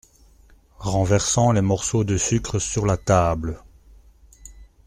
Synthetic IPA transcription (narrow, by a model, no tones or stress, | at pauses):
ʁɑ̃vɛʁsɑ̃lemɔʁsod̪əsykχəsyʁlat̪aːblə